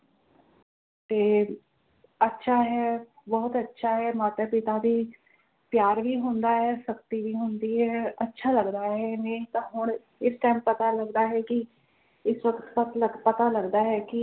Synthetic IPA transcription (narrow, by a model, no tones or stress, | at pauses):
t̪eː | ətːʃʰaːɦɛː | bɔːt̪ətːʃʰaːɦɛːmaːt̪aːpɪt̪aːd̪iː | pjaːɾʋiːɦʊnd̪aːɦɛːsəkt̪iːʋiːɦʊnd̪iːɦɛːətːʃʰaːləɡd̪aːɦɦɛːmẽːt̪ãːɦʊɳ̃ | ɪsʈaːmpət̪aːləɡd̪aːɦɛːkɪ | ɪsʋəkt̪pət̪ləpət̪aːləɡd̪aːɦɛːkɪ